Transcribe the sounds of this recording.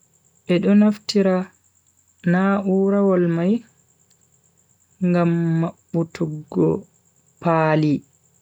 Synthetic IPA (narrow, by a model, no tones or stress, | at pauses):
ʔɛɗɔnaftiɾa | naʔuːɾawɔlmaj | ŋɡamːaɓːutʰuɡːɔ | paːli